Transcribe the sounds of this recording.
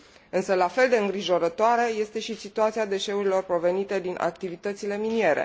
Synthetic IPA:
ɨnsəlafe̞ld̪e̞ɨŋɡɾiʒo̞ɾət̪oaɾe̞je̞st̪e̞ʃisit̪uat̪siad̪e̞ʃe̞uɾilo̞rpɾo̞ve̞nit̪e̞d̪inʔa̰k̚t̪ivit̪ət̪sile̞minije̞ɾe̞̰

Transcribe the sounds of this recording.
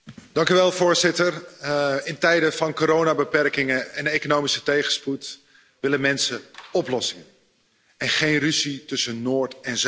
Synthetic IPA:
d̥ɑŋkyʋɛlˠvʊːɹzɪtər | ɪntɛjdəfɑnkoːɾownabəpɛrkɪŋəɛnejkonoːmisətejχəsput | ʋɪləmɛnsəɔplɔsɪŋən | ɛnχejnryzitɵsənoːɹtɛnz

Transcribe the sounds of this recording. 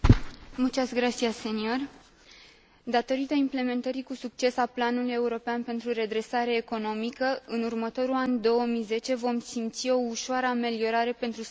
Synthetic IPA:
mut͡ʃasɡɾat̪siase̞nio̞r | d̪at̪o̞ɾit̪əimple̞me̞nt̪əɾikusuk̚t͡ʃe̞saplanuluje̞uɾo̞peanpe̞nt̪ɾuɾe̞d̪ɾe̞saɾeːko̞no̞mikəɨnurmət̪o̞ɾuland̪o̞wəmijze̞t͡ʃe̞vo̞msimt̪sio̞uʃoaɾəame̞lio̞ɾaɾe̞pe̞nt̪ɾu

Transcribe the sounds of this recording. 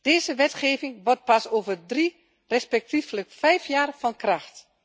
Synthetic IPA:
d̥eːzəʋɛtχeːvɪŋʋɔrt̚pasoːvərdri | rɛspɛk̚tifləkfɛjfjaːrfɑnkraxt

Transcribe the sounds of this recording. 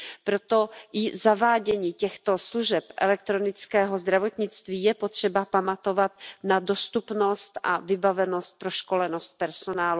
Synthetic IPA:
pɾot̪o̞ʔɪzavaːɟɛɲiːcɛxt̪o̞sluʒɛpʔɛ̰lɛk̚t̪ɾo̞nɪt͡skɛːɦo̞zd̪ɾavo̞t̪ɲɪt͡st̪viːjɛpo̞t̪r̝̥ɛbapamat̪o̞vat̪nado̞st̪upno̞st̪ʔa̰vɪbavɛno̞st̪̚pɾoʃko̞lɛno̞st̪̚pɛɾsonaːlu

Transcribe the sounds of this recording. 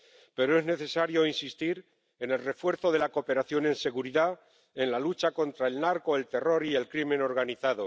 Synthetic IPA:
pe̞ɾoe̞zne̞θe̞saɾjo̞insist̪iɾ | e̞ne̞lre̞fwe̞ɾθo̞ðe̞lako̞pe̞ɾaθjo̞ne̞nse̞ɣuɾiða | e̞nlalut͡ʃako̞nt̪ɾae̞lnaɾko̞e̞lt̪e̞ro̞ɾie̞lkɾimẽ̞no̞ɾɣaniθaðo̞

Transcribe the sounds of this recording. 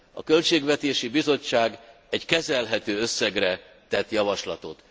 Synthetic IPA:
ɒ̰kø̞lt͡ʃeːɡvɛt̪eːʃibizo̞t͡ʃːaːɡ | ɛɟkɛzɛlɦɛt̪øːøsːɛɡrɛ | t̪ɛt̪jɒvɒʃlɒt̪o̞̰t̪

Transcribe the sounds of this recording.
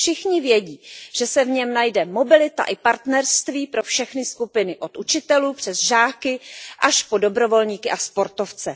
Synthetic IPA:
fʃɪxɲɪvjɛɟiːʒ̥ɛsɛvɲɛmnajdɛmo̞bɪlɪt̪a̰ʔɪpaɾt̪nɛɾst̪viːpɾo̞fʃɛxnɪskupɪnɪʔo̞t̪ʔut͡ʃɪt̪ɛluːpr̝̥ɛzʒaːkɪʔaʃpo̞do̞bɾo̞vo̞lɲiːkɪʔaspo̞ɾt̪o̞ft͡sɛ

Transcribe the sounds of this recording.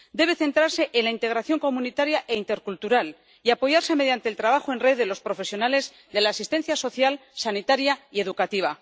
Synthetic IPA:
d̪e̞β̞e̞θe̞nt̪ɾaɾse̞ʔenlaint̪e̞ɣ̞ɾaθjo̞ŋko̞mũnit̪aɾjaʔe̞int̪e̞ɾkult̪uɾal | iapo̞ʝaɾse̞me̞ðjant̪eːlt̪ɾaβaxoe̞nre̞ððe̞lo̞spɾo̞fe̞sjo̞nale̞z | ðe̞laːsist̪e̞nθjaso̞θjalsanit̪aɾjaie̞ðukat̪iβ̞a

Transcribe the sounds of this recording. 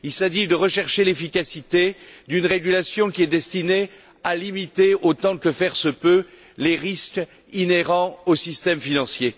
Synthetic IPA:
ilsaʒid̪əʁəʃɛʁʃelefikasit̪ed̪ynʁeɡʲylasjɔ̃kʲiɛd̪ɛst̪ine | alimit̪eot̪ɑ̃kəfɛʁsəpø | leʁisk | ineʁɑ̃osist̪ɛmfinɑ̃sje

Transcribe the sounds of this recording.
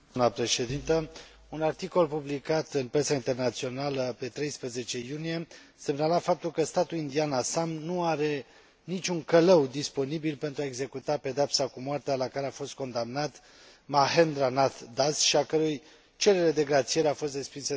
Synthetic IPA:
mnəpɾe̞ʃe̞d̪int̪ə | unart̪iko̞lpublikat̪ɨnpɾe̞saint̪e̞rnat̪sio̞naləpe̞t̪ɾe̞jspɾəze̞t͡ʃe̞junije̞ | se̞mnalafap̚t̪ulkəst̪at̪ulind̪ianasamnuaɾe̞ | nit͡ʃʲuŋkələwd̪ispo̞nibilpe̞nt̪ɾuaeɡze̞kut̪ape̞d̪eapsakumoart̪ealakaɾe̞afo̞st̪̚ko̞nd̪amnat̪ | maɦend̪ɾanat̪d̪asʃiakəɾuj | t͡ʃe̞ɾe̞ɾe̞d̪e̞ɡɾat̪sije̞ɾeafo̞st̪ɾe̞spinsə

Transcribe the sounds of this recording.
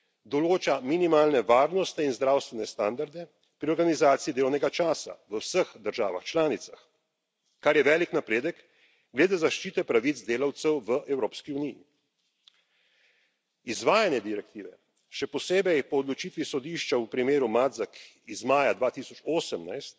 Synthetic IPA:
d̪ɔloːt͡ʃaminimaːlnɛʋaːɾnɔst̪ɛinzd̪ɾaːwst̪ʋɛnɛst̪and̪aɾd̪ɛ | pɾiɔɾɡanizaːt̪siid̪eːlɔwnɛɡat͡ʃaːsa̰ʋəwsəxd̪əɾʒa̰ːʋa̰xt͡ʃlaːnit̪sax | kaɾjɛʋɛːliknapɾeːd̪ək | ɡled̪ezaʃt͡ʃiːt̪ɛpɾaʋit̪zd̪eːlawt̪sɛwʋəʔɛwɾoːpskiunijḭ | izʋaːjanjɛd̪iɾɛk̚t̪iːʋɛ̰ | ʃɛpɔseːbɛjpɔːd̪lɔt͡ʃiːt̪ʋisɔd̪iːʃt͡ʃaupɾimeːɾumad̪zak | izmaːjad̪ʋaːt̪isɔt͡ʃoːsəmna̰jst̪̚

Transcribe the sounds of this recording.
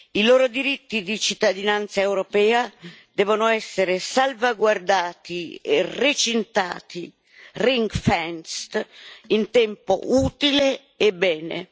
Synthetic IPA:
iloːɾod̪iɾit̪ːid̪it͡ʃit̪ːad̪inant̪saewɾopɛːad̪̥ɛːvonʊɛsːeɾesalvaɡward̪aːt̪iḛret͡ʃint̪a̰ːt̪i | riŋɡfɛnst̪int̪ɛmpo̰ʔuːt̪ileː | bɛːnḛ

